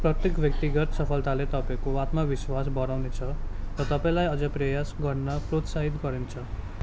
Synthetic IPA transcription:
prʌt̪jekbʱjʌkt̪iɡʌt̪sʌpʰʌlt̪alet̪ʌpaĩkoat̪mʌbiswasbʌɾawnet͡sʰʌrʌt̪ʌpaĩlajʌd͡zʌprʌjasɡʌrnʌprot̪saɦit̪̬ɡʌɾint͡sʰʌ

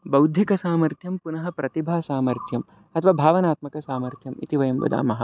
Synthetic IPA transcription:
bɐwd̪ʱjikɐsaːmɐɾt̪ʰjɐmpunɐɦɐpɾɐt̪ibʱaːsaːmɐɾt̪ʰjɐm | ɐt̪ʰɐʋaːbʱaːʋɐnaːt̪mɐkɐsaːmɐɾt̪ʰjɐmḭt̪iʋɐjɐmʋɐ̰d̪a̰ːmɐɦɐ

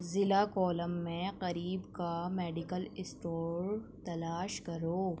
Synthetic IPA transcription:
zɪlakɔːləmːẽqɐɾiːbkamɛːɖɪkəlɪsʈoːɾt̪ɐlaːʃkɐɾoː

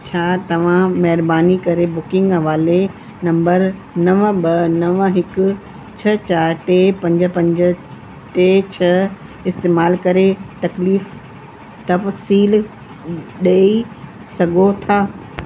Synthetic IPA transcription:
t͡ɕʰaːt̪ɐʋ̤ãmɐɦɪɾbaːnikɐɾebʊkɪ̃ŋɡɦɐʋaːle | nɐ̃mbəɾ | nɐʋbɐnɐʋɦɪkʊ̆ | t͡ɕʰɐt͡ɕaːɾʈeːpɐ̃ɲd͡ʑə̆pɐ̃ɲd͡ʑə̆ | ʈet͡ɕʰɐ | ɪst̪eːmaːlkɐɾet̪ɐkliːf | t̪ɐfsiːl | ɗeːi | sɐɡʱot̪ʰaː

